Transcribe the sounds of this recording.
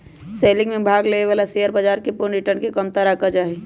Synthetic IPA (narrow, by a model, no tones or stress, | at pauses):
seːlɪ̃ŋɡmẽbʱaːɡleːneʋaːlasejəɾbad͡ʒaːɾkeponɾɪʈəɾnkekəmt̪aɾaːkad͡ʒaːɦe